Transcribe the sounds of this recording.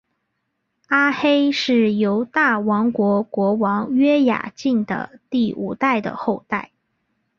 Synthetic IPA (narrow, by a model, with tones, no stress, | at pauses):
a˥xe˥ɪʂɻ̩˥˩jo˧˥ʊt̪a˥˩wɑ˧˥ŋkwɔ˧˥kwɔ˧˥wɑ˧˥ŋɥɛ˥ja̰˨˩t͡ɕi˥˩ŋd̪ə̰˩t̪i˥˩ṵ˨˩t̪a˥˩ɪd̪ə̰˩xo˥˧ʊt̪a˥˩ɪ